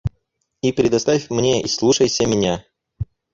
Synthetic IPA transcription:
ipɾʲɪd̪ɐst̪afʲmnʲeʔislˠuʂəjsʲəmʲɪnʲa

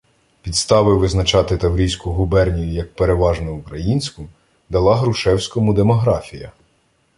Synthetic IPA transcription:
pʲit̪st̪ɑʋɪʋɪznɐt͡ʃɑt̪ɪt̪ɐwɾʲijsʲkʊɦʊbɛrnʲijʊjɐk̚peɾeʋɑʒnɛʊkɾɐjinʲsʲkʊ | d̪ɐlˠɑɦɾʊʃɛwsʲkɔmʊd̪emɔɦɾɑfʲijɐ

